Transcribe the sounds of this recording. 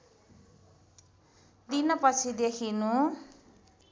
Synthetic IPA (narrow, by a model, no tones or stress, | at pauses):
d̪inʌpʌt͡sʰid̪ekʰinu